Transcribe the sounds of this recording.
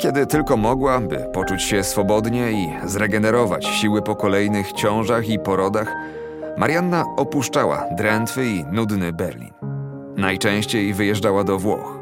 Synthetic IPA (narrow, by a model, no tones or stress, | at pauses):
kʲɛd̪ɘt̪ɘlkɔmɔɡwabɘ̰pɔt͡ʂut͡ɕɕɛsfɔbɔd̪ɲɛizɾɛɡɛnɛɾɔva̰t͡ɕɕiwɘpɔkɔlɛjnɘxt͡ɕɔ̃w̃ʐaxipɔɾɔd̪ax | maɾʲjanːaɔpuʂt͡ʂawa̰d̪ɾɛnt̪fɘinud̪nɘbɛ̰ɾlʲḭnː | ajt͡ʂɛ̃w̃ɕt͡ɕejvɘjɛʐd͡ʐawad̪ɔvwɔ̰x